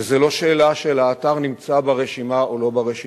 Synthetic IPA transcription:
zelo̞ʃeːlaʃelaːt̪aʁnimt͡sabaʁeʃimaolo̞baʁeʃi

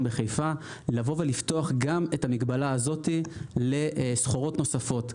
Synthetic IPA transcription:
mbeχejfa | lavo̞ve̞lifto̞aχɡame̞tamiɡbalaːzo̞tile̞sχoʁo̞tno̞safo̞t

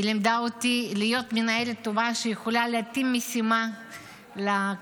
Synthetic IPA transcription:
limd̪aot̪ilijo̞t̪menaelet̪ːovaʃejeχolaleat̪imːesima | la

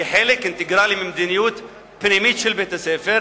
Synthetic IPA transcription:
ħelɪkɪnt̪ɪɡɾaːlimɪmd̪ɪnɪjuːt̪ | pnemiːt̪ʃɪlbet̪asɛːfɪɾ

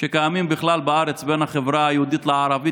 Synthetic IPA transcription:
ʃekajamimbiχlalbaaɾet͡sbenhaχevɾaajehud̪it̪leaɾavi

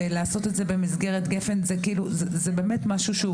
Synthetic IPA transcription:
laːso̞t̪etze̞be̞mizɡe̞ʁet̪ɡefe̞nzekiiːluzezebe̞ːmetmaʃuʃeu

